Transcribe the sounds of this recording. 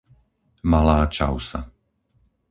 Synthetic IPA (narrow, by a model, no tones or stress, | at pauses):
malaːt͡ʃa̰ʊsa̰